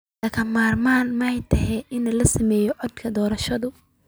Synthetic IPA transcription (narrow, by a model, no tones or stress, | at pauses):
ɐkʰɐmaːrmaːnmɐhɛjt̪ʰɐhɛʔɪnɐlɐsɐmɛːjɔʕɔd̪kʰɐd̪ɔːɾɐʃɐðʊ